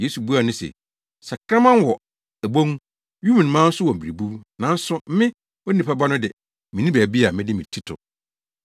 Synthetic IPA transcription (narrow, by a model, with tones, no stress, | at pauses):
je˦su˨bu˦a˨nʊ̃˦sɛ̰˨ | sa˨kʰɾã˦mã˦n˦wɔ˨ | æ˨bo˦ŋ˦ | ju˦mĩ˨n˨mã˦n̩˦sʊ˦wɔ˨m̩˨bi˨ɾi˨bu˦nã˨n̩˦sʊ˦m̩˦mɪ̃˦ | ɔ˦nĩ˨pʰa˦ba˦nʊ̃˦dɪ˨ | mɪ̃˨nĩ˦bæ˨bi˦a˨mɪ̃˦dɪ˦mĩ˨tʰi˦tʰʊ̰˨